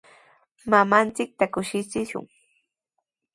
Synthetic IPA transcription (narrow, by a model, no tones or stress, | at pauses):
mamant͡sɪk̚t̪akʊʃɪt͡sɪʃʊ̰ŋ